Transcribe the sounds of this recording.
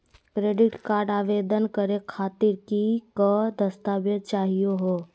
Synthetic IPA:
kɾeːɖɪʈkaːɾɖaːʋed̪ənkəɾekʰaːt̪iɾkikəd̪əst̪aːbjəd̪t͡ʃaːɦijoɦoː

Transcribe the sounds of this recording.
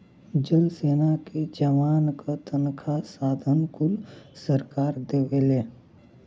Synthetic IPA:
d͡ʒəlseːnaked͡ʒəmaːnkat̪ənkʰasaːd̪ʱənkʊlsəɾkaːɾd̪eːʋeleː

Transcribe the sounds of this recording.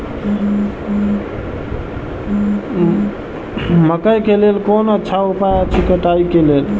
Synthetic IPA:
məkəjkelelkonətːʃʰaupajət͡ʃʰikəʈaikelel

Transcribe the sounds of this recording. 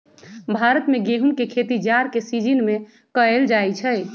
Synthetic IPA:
bʱaɾət̪meɡeɦunkekʰet̪id͡ʒaɾkesid͡ʒinme | kəeld͡ʒajt͡ʃʰɛ

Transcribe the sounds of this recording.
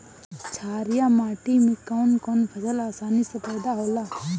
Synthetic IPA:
t͡ʃʰaːɾɪjamaːʈimɪkːaʊnkɔnpʰɐsəlaːsaːnisɐpɛːd̪aɦoːlaː

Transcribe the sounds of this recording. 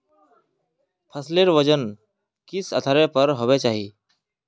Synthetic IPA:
pʰəsleɾʋəd͡ʒən | kɪsə̰t̪ʰaːɾepəɾɦowɛt͡ʃaːɦiː

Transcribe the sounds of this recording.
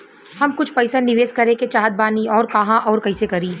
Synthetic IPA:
hɐmkʊt͡ʃʰpɐɪsanɪʋeːskɐɾẽket͡ʃaːɦət̪̚baːniɔːɾkɐɦãʔɔːɾkɐɦɪsekɐɾiː

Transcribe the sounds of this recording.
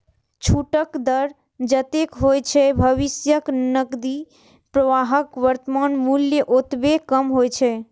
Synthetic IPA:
t͡ʃʰuʈəkd̪əɾ | d͡ʒət̪ekɦojt͡ʃʰɛbʱəʋisjəknəkd̪i | pɾəʋaɦəkʋəɾt̪əmanmuljəʔot̪bekəmɦojt͡ʃʰɛ

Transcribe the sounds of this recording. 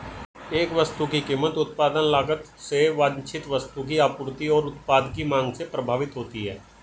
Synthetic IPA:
eːkʋəst̪ukikiːmːət̪ʊt̪̚paːd̪ənlaːɡət̪seʋaːd̪t͡ʃʰɪt̪ʋəst̪uk̬iaːpʊɾt̪iɔːɾʊt̪paːd̪kimãːŋɡsepɾəbʱaːʋɪt̪ɦoːt̪iɦɛ̰ː

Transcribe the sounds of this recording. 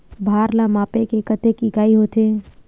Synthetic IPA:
bʱaːɾlamaːpekekət̪ekiɡaːiɦot̪e

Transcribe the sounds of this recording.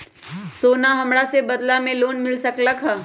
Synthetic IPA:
soːnaɦɐmɾasebɐd̪lamẽloːnmɪlsɐkləkɦa

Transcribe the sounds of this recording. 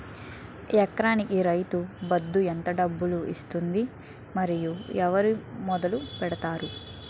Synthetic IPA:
ɛkɾaːnikiɾɐjt̪ubɐd̪ːuɛnt̪ɐɖɐbːuluḭst̪und̪i | mɐɾijuɛʋɐɾimɔd̪ɐlupɛɽɐt̪aːɾu

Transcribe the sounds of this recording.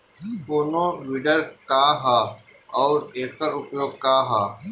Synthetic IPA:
poːnõːʋiːɖəɾkaːɦaː | ɔːɾeːkkəɾʊpjoːɡ̚kaːɦaː

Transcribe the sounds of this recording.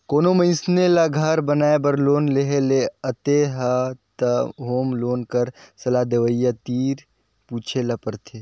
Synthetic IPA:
koːnomə̃ɪ̃snelaɡʱɐɾbənaːebəɾloːnleɦeleət̪eɦɐt̪əɦoːmloːnkəɾsɐlad̪eʋəjːat̪iːɾ | puːt͡ʃʰelapəɾt̪ʰeː

